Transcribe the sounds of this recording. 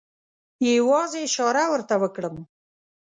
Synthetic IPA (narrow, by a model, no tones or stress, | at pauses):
jewɑzeʃɑɾawəɾt̪awəkɽəm